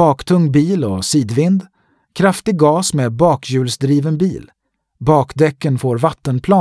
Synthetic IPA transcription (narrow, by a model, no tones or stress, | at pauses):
ɑːkt̪ʰɵŋbiːlɔsiːd̪vɪnd̪ | kʰɾaft̪ɪɡɡɑːsmeːbɑːkʰjʉ̟ːlsd̪ɾiːvənbiːl | bɑːkd̪ɛkːənfoːɾvat̪ːənpʰlɑː